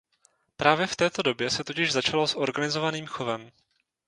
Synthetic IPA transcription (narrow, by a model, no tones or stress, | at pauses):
pɾaːvjɛft̪ɛːt̪o̞do̞bjɛsɛt̪o̞cɪʒzat͡ʃalosʔo̞ɾɡanɪzo̞vaniːmxo̞vɛm